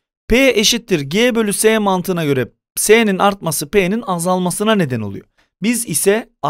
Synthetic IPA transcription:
pʰejɛʔeʃit̪ʰːiɾɟeːbø̞lʲysejmant̪ʰɯnaɟø̞ɾɛ | seːninaɾt̪̚masɯpejeninazalˠmasɯnane̞d̪ɛno̞lˠṵjo | bizisɛ

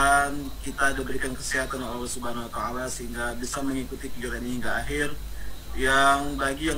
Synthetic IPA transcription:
an | kit̪aːdabəɾikankə̥siɦat̪anolɛlɛsudaanwat̪aːlasəɦiŋɡabisaməŋikut̪ikid͡ʒaɾaniɦiŋɡaːɦɪr | jaŋbaɡija

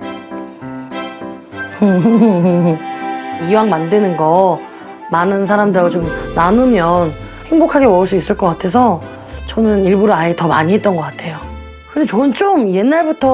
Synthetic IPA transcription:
hɯɦɦɯ | iwaŋmandenɯnɡʌ | manɯns̬ʰaɾamdɯɾot͡ɕomnanɯmjʌn | he̞ŋbokʰaɡe̞mʌɯɭs̬͈uis͈ɯɭk͈ʌk͈atʰe̞sʰʌ | t͡ɕʌnɯniɭbuɾɯaetʌma̰ɲiɦe̞t̚t͈ʌnɡʌk͈atʰe̞jo | kɯndet͡ɕʌnɯnt͡ɕ͈omje̞nːaɭbutʰʌ

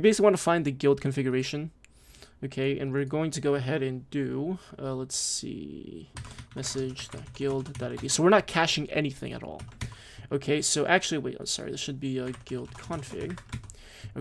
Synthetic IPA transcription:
wibeɪsɪ̥kliwɑ̃ntʰəfãɪ̃nðɨɡɪlˠd̚kʰɱfɪɡjə˞eɪʃɨ̃n | oʊkʰeɪʔɨ̰̃nwɪɹɡoʊɪ̃ŋtʰɨɡoʊɨɦɛɾɨ̃ndʉʌlətsḭ | mɛsɪd͡ʒðɨ̰ɡ̥ɪlˠdðɨɾaɪdisoʊwɨəɹnət̚kʰæʃɪ̃ŋɛ̰niθɪ̰̃ŋɨ̰ɾɔ̰lˠ | ʔoʊkʰeɪsoʊʔæk̚t͡ʃʉl̩ˠiwḭã̰msɑ̰ɹḭðɪsʃɨd̚biɨɡɪlˠdkʰɑ̃nfɪ̰ɡ

